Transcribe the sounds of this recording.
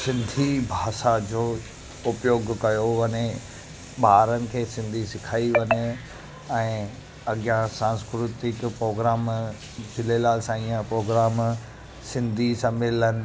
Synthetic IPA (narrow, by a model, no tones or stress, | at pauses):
sɪ̃nd̪ʱibʱaːʃad͡ʑoː | ʊpjoːɡkɐjoʋɐɲe | ɓaːɾənɪ̆kʰeːsɪ̃nd̪ʱisɪkʰaːiʋɐɲe | ɛ̃ː | ɐɡjãsãːnskɾʊt̪ɪkpɾoːɡɾaːm | d͡ʑɪlelaːlɪsãiːãpɾoːɡɾaːm | sɪ̃nd̪ʱisãmɪlənɪ̆